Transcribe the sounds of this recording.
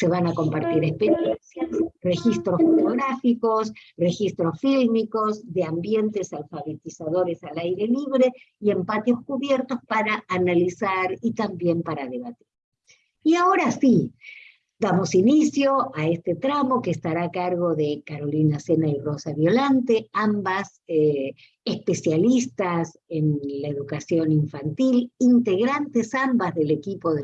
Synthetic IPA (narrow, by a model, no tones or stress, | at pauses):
se̞β̞anako̞mpaɾt̪iɾespe̞ɾjensjasre̞xist̪ɾosfot̪oɣɾafiko̞srexist̪ɾo̞sfilmiko̞zðeambje̞nt̪esalfaβet̪isaðo̞ɾesalajɾe̞liβ̞ɾe̞ | ie̞mpat̪jo̞skuβjeɾt̪ospaɾaːnalisaɾit̪ambje̞mpaɾaðe̞βat̪i̥ɾ | iao̞ɾasi | d̪amosinisjo̞aest̪et̪ɾamo̞keːst̪aɾaːkaɾɣo̞ðekaɾo̞linasenairo̞saβjo̞lant̪eambas | e | ehspe̞sjalist̪as | e̞nlaeðukasjo̞niɱfant̪ilint̪e̞ɣɾant̪esambazðele̞kipo̞ðe